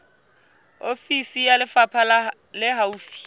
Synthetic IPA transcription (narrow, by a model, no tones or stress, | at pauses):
ofisijalɪfapʰal | lɪɦauːfi̥